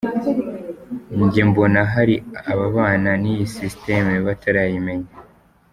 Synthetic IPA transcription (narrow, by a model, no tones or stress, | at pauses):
ɲɟembo̞naɦaɾiaβaβaːnanijisistemeβataɾajime̞ɲa